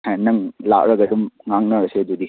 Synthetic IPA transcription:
anːɐŋla̰ʔɾɐɡɐdumŋaŋnɐɐsed̪ud̪i

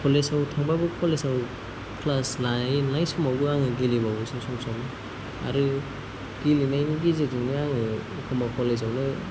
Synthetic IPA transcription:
kʰɔlesawtʰaŋbabɯkʰɔlesaw | pʰlasnajnajsɔmawbɯaŋɯɡilibawsɔmsɔmsɔm | a̰ɾɯ | ɡ̥ilinajniɡizeɡiŋnɯaŋɯ | kʰɯmakʰɔlez̬awnɯ

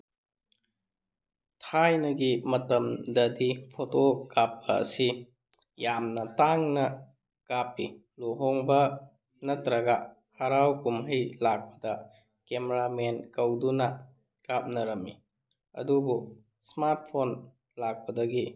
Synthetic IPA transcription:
tʰajnɐɡimɐtɐmdɐdipʰotokap̚ːɐ̰ːsi | jamnɐtaŋnɐ | kapːi | loɦoŋbɐ | nɐtɾɐɡɐ | hɐɾawkumɦəjlak̚pɐ̥dɐ | kemeɾamenkɐwdunɐ | kap̚nɐɾɐmi | ɐ̰dubu | smaɾt̚pʰon | lak̚pɐdɐɡi

